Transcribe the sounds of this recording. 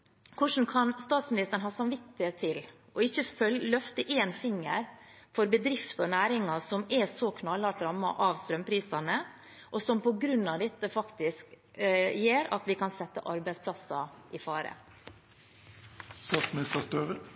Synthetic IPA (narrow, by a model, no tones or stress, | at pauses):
kʰʊʂn̩kʰɑnst̪ɑːt̪smɪnɪst̪əɾɳnɦɑːsɑmʋɪt̪ːɪheːt̪ʰːɪl | ʔɔɪçːəfœllœft̪əʔeːnfɪŋːəɾ | fɔɾbəd̪ɾɪft̪ɔnæːɾɪŋɑsɔmɛsɔkʰnɑlːɑʈɾɑmːɑ̰ʔɑʋst̪ɾœmpʰɾiːsɑnə | ʔɔsɔmpɔɡɾʉnːɑʋd̪ɛt̪ːəfɑkt̪ɪsk | jeːɾɑ̰t̪ʋɪkɑnsɛt̪ːə̰ʔɑɾbæɪspʰlɑsɑʔɪfɑːɾə̰ | st̪ɑːt̪smɪnɪst̪əst̪øːʁə